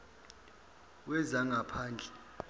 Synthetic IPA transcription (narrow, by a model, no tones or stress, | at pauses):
wɛzaŋɡʱapʰaːnd͡ɮʱɛ